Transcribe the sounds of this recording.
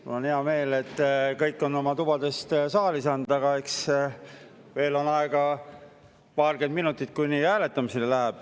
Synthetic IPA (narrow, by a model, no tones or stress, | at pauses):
mṵlonheɑme̞ːle̞t̪ːkɤjkːˑo̞nːo̞mɑt̪ub̥ɑd̪e̞st̪sɑːlisɑnd̪̥ɑɡ̥ɑe̞ks | ve̞ːlo̞nɑeɡ̥ɑ | pɑːrɡ̥e̞nd̪minut̪ːˑit̪̚ːˑkuniæːle̞t̪ːˑɑmisilelæɦæb̥